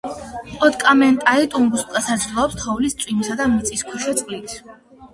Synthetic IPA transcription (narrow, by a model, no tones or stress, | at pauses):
ɔt̪kʼamɛnt̪ʼait̪ʼumbuskʼasad̪zɾilˠɔɔpst̪ʰɔvlist̪sʼwimisad̪amit̪sʼiskʰuʃɛt̪sʼqʼlit̪ʰ